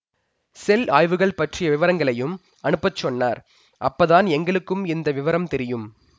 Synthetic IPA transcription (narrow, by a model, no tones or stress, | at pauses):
sɛlaːjʋɯɣɐɭpɐʈrɪjɐʋɪʋɐɾɐŋɡɐɭɐjɯm | ɐnɯpːɐt͡ʃːɔnːaːɾ | ʔɐ̰pːɐðaːnɛŋɡɐɭɯkːɯmɪnd̪ɐʋɪʋɐɾɐmt̪ɛɾɪjɯm